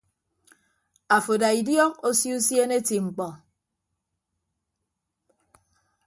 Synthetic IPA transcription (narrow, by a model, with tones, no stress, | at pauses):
a˨fo˨da˨i˨djɔ˦ŋo˦si˦u˦sje˦ne˦ti˨ŋ͡m̩˨k͡pɔ˨